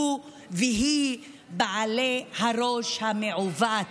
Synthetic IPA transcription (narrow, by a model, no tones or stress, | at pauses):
u | veɦi | baʕalehaɾoʃhameʕuva